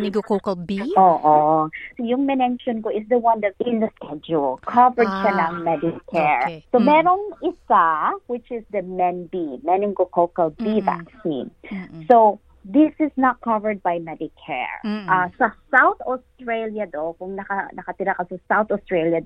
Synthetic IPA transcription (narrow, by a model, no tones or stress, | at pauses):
nɪɡokokɐlbioːʔosojʊŋmɛnɛŋʃonkoʔɪsd̪ɐwɐ̃nd̪ɐvɪ̃nd̪ɐskɛd͡ʒulkʰɐvəɹd̪̚ʃɐnɐŋmɛd̪ɪkʰɛɹsomɛɾoŋɪsawɪt͡ʃɪsd̪ɐmɛnbimɛnɪŋɡokowkɐlbiva̰ksḭ̃nsow | ðɪsɪsnɐt̪̚kɐvəɹd̪̚bajmɛd̪ɪkʰɛ̰ɹʔasɐsawt̪ost̪ɹejljɐd̪okʊŋnɐkɐnɐkɐt̪ɪɾakɐsɐsawθost̪ɹeljɐd